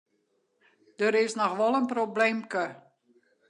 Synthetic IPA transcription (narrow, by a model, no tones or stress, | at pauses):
d̥əɾɪsnɔxʋɔlˠənproblemkə